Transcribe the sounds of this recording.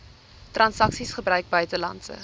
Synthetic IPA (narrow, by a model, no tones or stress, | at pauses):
trɐnsɐksisχəbrœɥk̚bœɥtəlɐ̰ntsə̰